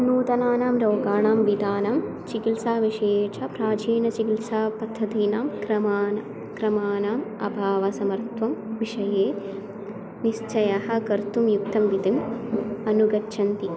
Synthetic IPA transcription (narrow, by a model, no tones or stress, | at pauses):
nuːt̪ɐnaːnaːmɾoːɡaːɳaːmʋid̪aːnaːm | t͡ʃikilsaːʋiʂejːt͡ʃʰɐpɾaːd͡ʒiːnɐt͡ʃikilsaːpɐt̪ʰːɐd̪iːnaːmkɾɐmaːn | kɾɐmaːnaːmɐ̰bʱaːʋɐsɐmɐɾt̪ʋɐmʋiʂɐjeː | nist͡ʃɐjɐɦɐ̆kɐɾt̪umjukt̪ɐmʋit̪imɐnuɡɐtːʃʰɐnt̪i